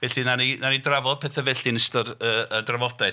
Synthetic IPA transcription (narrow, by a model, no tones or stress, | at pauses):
vɛɬinaninanidravɔd̚pʰɛːθavɛɬinəstɔdəədravɔdaj